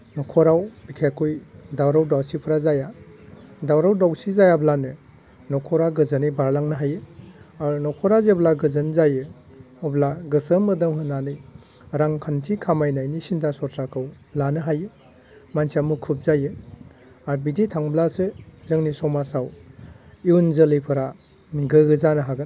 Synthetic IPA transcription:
nɔkʰɔɾawbikʰakʰujdawɾawdawsipʰɾazaja | dawɾawdawsizajablanɯ | nɔkʰɔɾaɡɯzanibaɾlaŋnɯɦajɯaɾnɔkʰɔɾazeblaɡɯzɯnzajɯ | ɔblaɡɯsəmɯdɯmhɯnanɯj | ɾaŋkʰantʰikʰamajnajnisindasɔɾsʰakʰɯwblanɯɦajɯ | mansiamukʰup̚zajɯ | aɾbiditʰaŋblasɯzɯŋnisɔmasaw | iunzɯlijpʰɯɾa | ɡɯɡɯzanɯɦaɡɯn

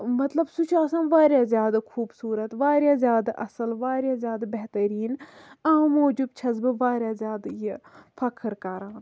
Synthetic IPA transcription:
mɐt̪lɐbsut͡ʃʰaːsãːnʋaːɾjaːzjaːd̪akʰuːbsuːɾɐt̪ʋaːɾjaːzʲjaːd̪aʔɐsəlʋaːɾjaːzʲjaːd̪abeɦt̪ɐɾiːnaːmoːd͡ʒubt͡ʃʰɐzbɨʋaːɾʲjaːzʲjaːd̪jefʰɐkʰɾkaɾãːn

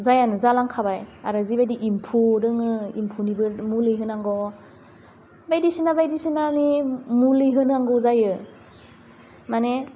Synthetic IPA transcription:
zajanɯzalaŋkʰabajaɾɯzibajdiʔimpʰudɯŋɯimpʰunibɯɾmulɯjɦɯnaŋɡɔ | bajdisinabajdisinanimulɯjɦɯnaŋɡɔzajɯ | mane

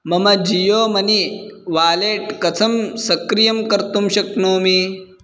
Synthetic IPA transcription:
mɐmɐd͡ʒijoːmɐniʋaːleːʈkɐt͡sʰɐmsɐkɾijɐmkɐɾt̪umɕɐknoːmi

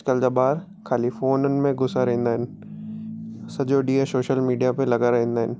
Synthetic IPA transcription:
kəld͡ʑabaːɾ | kʰaːlifoːɾnənɪ̆mẽɡʊsaɾɐɦẽːnd̪aːɦɪnɪ̆ | sɐd͡ʑoɖiːesoːʃəlmiːɖijapelɐɡaɾɐɦẽːnd̪aːɦɪnɪ̆

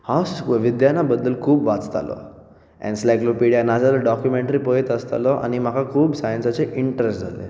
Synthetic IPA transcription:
hãsʋid̪janabəd̪ːəlkʰuːbʋat͡st̪ʰa̰lɔ̰ | ɛ̰̃nslajklopeɽijanad͡zaləɖɔkjumeɳʈɾipɔet̪əst̪a̰lɔʔa̰ñim̤akʰakʰuːbsajənsat͡seʔiɳʈɾesʈd͡zʱa̰lḛ

